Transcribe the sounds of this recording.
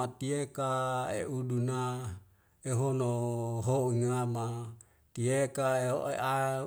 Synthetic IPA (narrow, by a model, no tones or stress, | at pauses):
at̪iekaeʔuduna | eɦonoɦoiŋama | t̪iekaeeʔa